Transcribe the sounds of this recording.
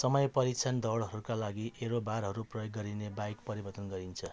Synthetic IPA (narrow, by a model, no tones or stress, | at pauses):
sʌmʌjpʌɾikt͡sʰand̪ʌɽɦʌɾukalaɡiʔeɾobaɾɦʌɾuprʌjoɡːʌɾinebajkpʌɾibʌrt̪ʌnɡʌɾint͡sʰʌ